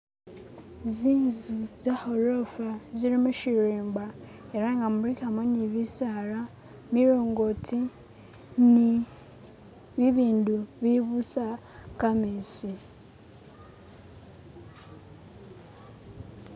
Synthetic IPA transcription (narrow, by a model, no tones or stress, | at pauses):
ziːnzuzahoɾofaziɾimuʃiɾiːmba | eɾaŋɡamuɾikamoniβisaɾa | miɾoːŋɡotʰi | ni | βiβiːnduβiβusa | kamiːsi